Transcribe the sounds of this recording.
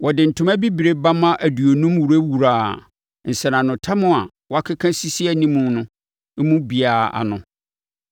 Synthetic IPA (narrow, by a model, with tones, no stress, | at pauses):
wɔ˨dɪ˨n̩˨tʰʊ̃˦mã˦bi˦bi˨ɾe˦ba˦mã˦ʔæ˨du˨o˨nũ˦mwu˨ɾæ˦wu˨ɾaː˨ | n̩˨sɛ˨nã˨nʊ̃˨tʰã˦mʊ̃˦a̰˨ | wɔ˦a˦kʰa˦kʰã˦si˦si˦æ˨nĩ˦mũ˨nʊ̃˦ | mũ˦bi˨aː˨a̰˨nʊ̃˨